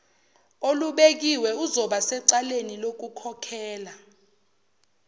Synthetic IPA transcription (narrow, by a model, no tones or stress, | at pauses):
oluɓek̬iwɛuzɔɓasɛǀalenilok̬ukʰɔkʰɛːla